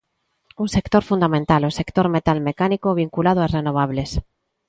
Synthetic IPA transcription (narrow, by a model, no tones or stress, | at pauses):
uŋsekt̪oɾfund̪amẽnt̪alosekt̪oɾmet̪almekanikoβiŋkulað̞oasrenoβ̞aβles